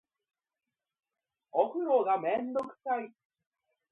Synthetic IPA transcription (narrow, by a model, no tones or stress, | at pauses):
oɸɯ̟ɾoɡamẽ̞nd̪okɯ̟̥sai